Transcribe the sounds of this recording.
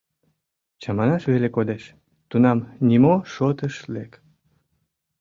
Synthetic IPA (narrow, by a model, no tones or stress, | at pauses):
t͡ɕɑmɑnɑʃβelekod̪eʃ | t̪unɑmnʲimoʃot̪əʃlek